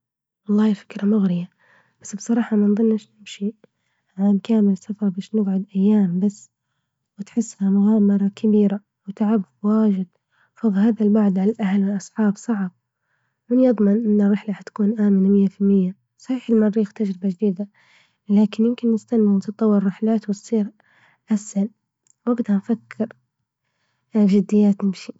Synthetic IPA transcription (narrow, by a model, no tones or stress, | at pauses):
wɑlˤːɑːhfɪ̥kɾamʊɣɾɪja | b̥asːbsˤɑɾˤɑːħɑmanðˤɨnːɪʃnɪmʃi | ʕankaːmɪlsafɑɾˤbaːʃnɪbʕʊd̪ʔajːaːmbasː | wɪt̪ħɪsːhamʊɣaːmɑɾˤɑkʰabiːɾa | wɪt̪aʕabwaːʒɪd̪ | fɑðˤlhaːðalbaʕd̪ʕalalʔahalwɪlʔɑsˤħɑːbsˤɑʕb̚ | mɪnjɨðˤmɪnʔɪnːɪrːɪħlahat̪kuːnʔaːmɪnamɪjːafɪlmɪjːa | sˤɑħiːħɪlmɑrˤːiːxt̪ad͡ʒɾɪbad͡ʒd̪iːd̪a | laːkɪnjɪmkɪnːɪst̪anːɪnt̪ɨt̪ˤːɑwːɪɾːɪħlaːt̪wɪt̪sˤiːɾ | ʔashal | waɡd̪hanfakʰːɪɾ | d͡ʒɪd̪ːɪjːaːt̪nɪmʃi